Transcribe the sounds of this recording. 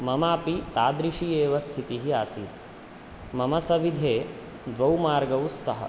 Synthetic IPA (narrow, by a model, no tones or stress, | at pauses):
mɐmaːpit̪aːd̪ɾiʃieːʋɐst̪ʰit̪iɦiaːsiːt̪ | mɐmɐsɐʋid̪ʱeː | d̪ʋɐwmaːɾɡɐwst̪ʰɐɦɐ̰